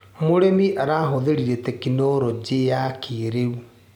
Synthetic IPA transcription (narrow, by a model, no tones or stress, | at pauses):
moɾemiʔaɾaɦoðeɾiɾetɛkinɔɾɔd͡ʒejakʰeɾeu